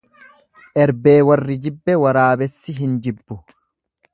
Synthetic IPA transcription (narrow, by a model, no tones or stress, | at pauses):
ʔɛɾbeːwɐrːɪd͡ʒɪbːɛwɐɾaːbɛsːɪɦɪnd͡ʒɪbːʊ